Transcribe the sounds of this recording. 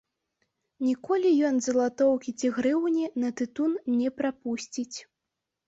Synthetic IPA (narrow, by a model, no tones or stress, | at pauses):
nʲikɔlʲijɔnzɐlˠat̪ɔwkʲit͡sʲiɣɾɨwnʲinɐt̪ɨt̪unnʲɛpɾapusʲt͡sʲit͡sʲ